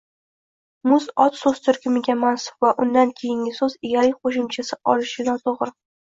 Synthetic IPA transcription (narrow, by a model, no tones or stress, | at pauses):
mʊzɒt̪sozt̪ʰʊɾkʲɪmɪɡʲamansʊ̥pvaʔʊnd̪ankʲʰejɪŋʲɪsɵzɪɡʲaɾɪk̚ʲqʰoʃɪmt͡ʃʰasɪʔɒlɪʃɪnɒt̪ʰoʁɾɪ